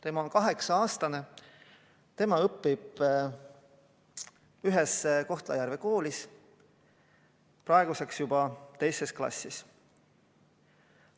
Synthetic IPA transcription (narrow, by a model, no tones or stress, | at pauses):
t̪e̞mɑonkɑɦe̞ksɑɑːst̪ɑne | t̪e̞mɑɤpːib̥ | yɦɛsko̞ht̪lɑjæɾve̞ko̞ːlis | prɑeɡ̥use̞ksjub̥ɑt̪e̞jse̞sklɑ̰sːis